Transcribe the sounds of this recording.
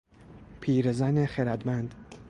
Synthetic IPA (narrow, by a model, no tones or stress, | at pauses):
pʰiːɾezaːnexeɾad̪mand̪